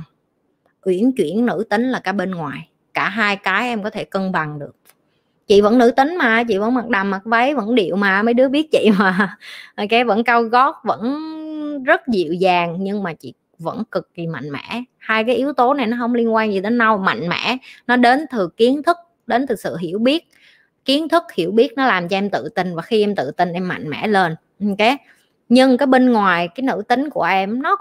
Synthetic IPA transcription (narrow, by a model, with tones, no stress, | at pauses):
ʔwḭ˧˩ənt͡ɕwi˧˩ənnɨ̰˧˥t̪ï˨˦ŋ̟laː˨˩kaː˧˩ɓe˧nŋwaː˨˩j | kaː˧˩ɦaː˧jkaː˨˦jʔɛ˧mkɔ˨˦t̪ʰe˧˩kə˧nɓa˨˩ŋɗɨ˨˩ək̚ | t͡ɕḭ˧˨və̰˧˥nɨ̰˧˥t̪ï˨˦ŋ̟maː˨˩t͡ɕḭ˧˨və̰˧˥nma˨˩t̚ɗaː˨˩ma˨˩t̚və˨˦jvə̰˧˥nɗḭ˧˨əwmaː˨˩məː˨˦jɗɨ˨˦˥əɓi˦˥ət̚t͡ɕḭ˧˨maː˨˩˨ka˨˦və̰˧˥nkaː˧wɣɔ˦˥t̚və̰˧˥n | zə˦˥t̚zi˨əwzaː˨˩ŋɲɨ˧ŋmaː˨˩t͡ɕḭ˧˨ | və̰˧˥nkɨ˨˩k̚zi˨˩ma̰˧˨jŋ̟mɛ̰˧˩˥haː˧jkaː˨˦jʔi˨˦əwt̪o˨˦na˨˩jnɔ˨˦ɦə˧wŋ͡mli˧ənkwaː˧nzi˨˩əː˨˦na˧wma̰˧˨jŋ̟mɛ̰˧˥nɔ˨˦ɗe˨˦nt̪ʰɨ˨˩ki˨˦ənt̪ʰɨ˦˥k̚ | ɗe˨˦nt̪ɨ˨˩sɨ̰˧˨ɦi˧˩əwɓi˦˥ət̚ | ki˨˦ənt̪ʰɨ˦˥k̚hi˧˩əwɓi˦˥ək̚nɔ˨˦laː˨˩mt͡ɕɔ˧ʔɛ˧mt̪ɨ̰˧˨t̪ï˧n̟vaː˨˩xi˧ʔɛ˧mt̪ɨ̰˧˨t̪i˧nʔɛ˧mːa̰˧˨jŋ̟mɛ̰˧˥le˧n˧ | ke˨˦ | ɲɨ˧ŋkaː˨˦jɓe˧nŋwaː˨˩jkaː˨˦jnɨ̰˧˥t̪ï˨˦ŋ̟ku˧˩əʔɛ˧mnɔ˨˦